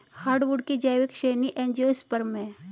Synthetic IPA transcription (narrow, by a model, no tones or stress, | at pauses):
haːɾɖʋuɖkid͡ʒaːʋekʃeːniʔẽːnd͡ʒiospəɾmẽ